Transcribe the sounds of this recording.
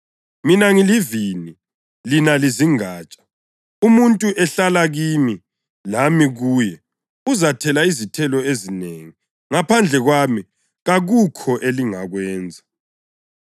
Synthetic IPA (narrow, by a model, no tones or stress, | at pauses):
minaŋilivini | linaliziŋaːt͡ʃʼḁ | umuntʼuʔɛɬalaɣimi | lamiɣuːjɛ | uzatʰɛlaizitʰɛlɔezineŋi | ŋapʰand͡ɮʱɛɣwami | ɣaɣukʰɔʔeliŋaɣwɛːnd͡zʱa